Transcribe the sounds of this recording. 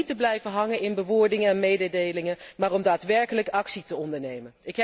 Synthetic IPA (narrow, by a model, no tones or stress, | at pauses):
təblɛjvəɦɑŋəɪnbəʋʊːɹdɪŋəɛnmejdədejlɪŋəmaːrɔmdaːtʋɛɹkələkɑksitəɔndəɹnejmənɪkɦ